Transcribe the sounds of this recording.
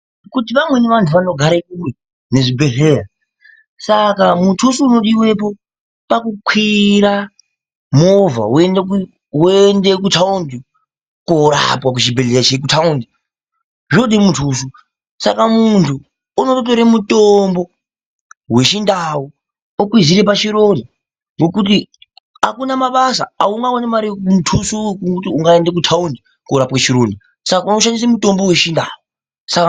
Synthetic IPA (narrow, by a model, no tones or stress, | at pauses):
kut̬iʋamwe̞neʋantʰuʋano̞ɡʱaɾaikuwe | ne̞ʐibʱe̞ɮeːra | sakamutʰusuːno̞ɗiwe̞po̞ | pakukwiɾa | mova̰ue̞ndek | uendek̬utʰaundi | koɾa̰pwakut͡ʃibʱeɮeat͡ʃek̬utʰaundi | ʐoɗimutʰuːsu | sa̰kamuntʰu | unot̬oɾemutombo̞ | we̞ʃindau | okwiziɾepat͡ʃiɾoni | ŋɡo̞kut̬i | akunamaɓasa̰auŋɡawonemaɾikmutʰusukukutiuŋɡaendekutʰaundi | koɾapwat͡ʃiɾoni | sakauno̞ʃandis̬amuto̞mbowe̞ʃindau | saka